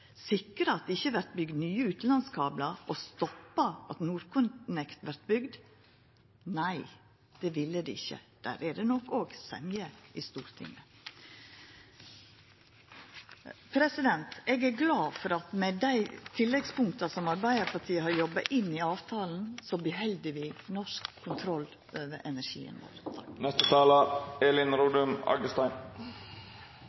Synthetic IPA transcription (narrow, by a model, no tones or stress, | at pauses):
sɪkːəɾɑɑt̪̚d̪ɛɪçːəʋæɾt̪̚bʏɡd̪nyːəʉːt̪n̩lɑnskʰɑːblɑʔɔst̪ɔpːɑʔɑt̪nuːɾkʰʊnnɛkt̪ʋæɾt̪bʏɡd̪ | næɪ | d̪̥ɛːʋɪlːəd̪ɪɪçːə̰d̪̥æ̰ːɾæɖɛnɔkːoːɡsɛ̰mjəɪst̪uːɾt̪ʰɪ̰ŋːə | pʰɾɛsɪd̪ɛnt̪ɛːɡæɾɡlɑːfɔɾɑt̪mɛd̪æɪt̪ʰɪlːɛɡspʊŋk̚t̪ɑsɔmɑɾbæɪəɾpʰɑʈʰiːəɦɑɾjɔbːɑʔɪnːiɑːʋt̪ʰɑːln̩sɔb̪ɪɦɛld̪əʋɪːnɔʂkʰːʊnt̪ʰɾɔl | ʔøːʋəɾʔɛnæɾʂḭːə̰nʋo̰ːɾnɛst̪ət̪ʰɑːləeːlɪnɾuːd̪ʉmɑ̰ɡəst̪ɑɪn